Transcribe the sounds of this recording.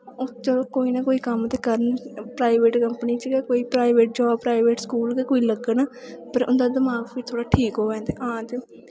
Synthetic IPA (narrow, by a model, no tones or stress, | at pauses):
ot͡ʃəloːkoːiːnakoːiːkəmət̪eːkəɾənpɾaːɪʋeːʈkəmpniːt͡ʃəɡɛkoːiːpɾaːɪʋeːʈ̚d͡ʒaːbpɾaːiʋeːʈskuːlkekoːiːləɡəna | pəɾʊ̰nd̪aːd̪ɪmaːɡpʰɪɾt̪ʰoːɽaːʈʰiːkɦoːʋɛ̃ːnt̪eʔãːt̪e